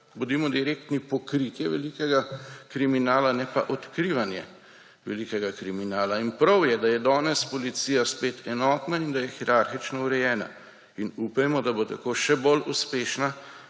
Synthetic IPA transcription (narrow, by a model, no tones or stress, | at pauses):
bud̪imɔd̪iɾeːkt̪nipɔkɾit̪jɛʋɛ̰likɛɡakɾiminaːlanɛpaʔɔt̪kɾiːʋanjɛ̰ | ʋɛlikɛɡakɾiminaːlainpɾɐwjɛd̪ajɛd̪ɔːnɛspɔlit̪siːjaspeːt̪ʰɛnɔːt̪naind̪ajɛxiɾaɾxit͡ʃnɔuɾɛjɛːna̰ | inupajmɔd̪abot̪akoːʃɛboluspeːʃna